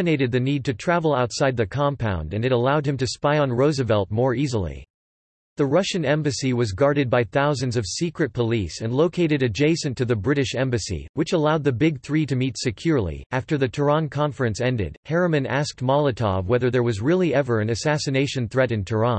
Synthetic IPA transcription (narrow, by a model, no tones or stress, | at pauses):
ɨneɪɾɨd̪̚ðɨnid̚tɨtʰɹ̥ævl̩ˠaʊtsaɪd̪̚ðɨkʰɑ̃mpʰã̰ʊ̃ndɨ̃nɨɾəlaʊd̚ɨ̃mtɨspaɪə̃nɹoʊzɨvɛlˠt̚mɔɹizl̩ˠḭ | ðɨɹʌʃɨ̃nɛ̃mbɨsiwʌzɡɑɹɾɨd̚baɪθaʊzɨ̃nzʌv̥sikɹɨt̚pʰəlisɨ̃nloʊkʰeɪɾɨɾɨd͡ʒeɪsɨ̃ntʰɨðɨbɹɪɾɨʃɛ̃mbɨsḭwɨt͡ʃəlaʊd̪̚ðɨbɪɡ̚θɹiɾɨmitsɨkʰj̥ʊɹlˠḭʔæftə˞ðɨtʰə˞ɑ̃nkʰɑ̃ɱfɹɨ̃nsɛ̃ndɪ̰d̥̚hɛɹɨmɨ̃næ̰sk̚t̚mɑlˠətʰɑ̰vwɛðə˞ðə˞wʌzɹɪlˠiɛvə˞ɨ̃nɨsæsɨneɪʃɨ̃nθɹɛɾɨ̃ntʰə˞ɑ̃n